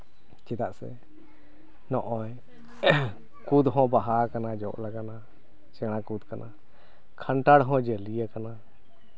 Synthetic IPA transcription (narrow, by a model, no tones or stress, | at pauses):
t͡ʃɛd̪aʔsɛ̰ | nɔʔɔj | kud̪ɦɔ̃baɦakanad͡ʒɔ̰ʔlaɡana | t͡ʃɛɽ̃akud̪kanʔa̰ | kʰaɳʈaɽɦɔ̃d͡ʒəlijakana